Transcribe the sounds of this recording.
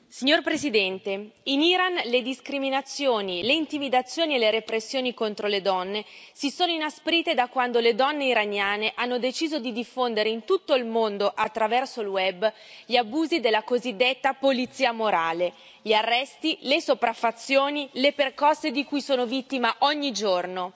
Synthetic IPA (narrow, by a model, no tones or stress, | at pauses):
siɲːorpɾezid̪ɛnt̪einiɾanled̪iskɾiminat̪sːjoːnileint̪imid̪at̪sːjoːnieleɾepɾesːjoːnikont̪ɾoled̪ɔnːesisoːnoinaspɾiːt̪ed̪akwand̪oled̪ɔnːeiɾanːjaːneʔanːod̪et͡ʃiːzod̪id̪ifːond̪eɾeint̪ut̪ːoilmond̪oʔat̪ːɾavɛrsolwɛbː | ʎiabuːzid̪elːakozid̪ːet̪ːapolit̪sːiːamoɾaːle | ʎiarːɛst̪ilesopɾafːat̪sːjoːnileperkɔsːed̪ikujsoːnovit̪ːimaʔɔɲːid͡ʒorno